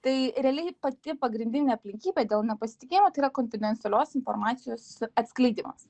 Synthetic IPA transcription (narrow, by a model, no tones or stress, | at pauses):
t̪ɐɪɾʲɛɐlʲɛɪpɐt̪ʲɪpɐɡɾʲɪnʲd̪ʲɪnʲeːɐpʲlʲɪŋʲkʲiːbʲeːd̪ʲeːlˠnʲɛpɐsʲɪ̥t̪ɪkʲeːjɪmoːt̪ɐɪiːɾɐkonʲfʲɪd̪ʲɛnt̪sɛlʲoːsɪnfoɾmɑːt̪sʲɪjoːsɐt̪ʲsklʲɛɪd̪ʲiːmɐ̰s